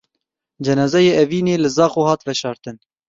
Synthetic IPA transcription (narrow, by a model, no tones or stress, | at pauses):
d͡ʒɛnɑːzɛjeːɛviːneːlɨzɑːxoːhɑːt̪vɛʃɑːɾt̪ɨn